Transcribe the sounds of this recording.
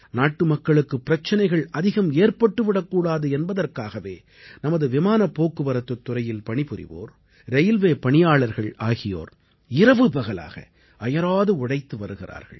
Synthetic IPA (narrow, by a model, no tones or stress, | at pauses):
naːʈːɯmɐkːɐɭɯkːɯpːɪɾɐt͡ʃːɐnɐɪɣɐɭɐðɪɣɐmeːrpɐʈːɯʋɪɽɐkːuːɽaːðɯɛnbɐðɐrkaːɣɐʋeː | nɐmɐðɯʋɪmaːnɐpːoːkːɯʋɐɾɐt̪ːɯt̪ːʊɾɐjɪlpɐɳɪpɯɾɪ̰ʋo̰ːɾ | ɾɛjlʋeːpɐɳɪjaːɭɐɾɣɐɭaːɣɪjo̰ːɾ | ɪɾɐʋɯbɐɣɐla̰ːɣɐ̰ | ɐjɐɾaːðɯʊɽɐɪt̪ːɯʋɐɾɯɣɪra̰ːɾɣɐ̰ɭ